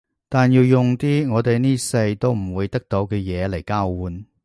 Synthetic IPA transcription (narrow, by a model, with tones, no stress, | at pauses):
t̪aː˨njiː˧wjʊ˨ŋt̪iː˥ŋɔː˨˧t̪e˨jniː˥sɐ˧jt̪o˥wm̩˨˩wuː˨˧jt̪ɐ˥k̚t̪o˨˥wkɛː˧jɛː˨˧le˨˩jkaː˥wːuː˨˥n